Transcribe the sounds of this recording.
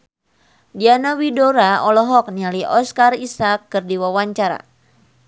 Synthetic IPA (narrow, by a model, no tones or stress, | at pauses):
dianawidɔɾaɔlɔɦɔk̚nialiʔɔskarisakːɨrdiwawaɲt͡ʃaɾa̰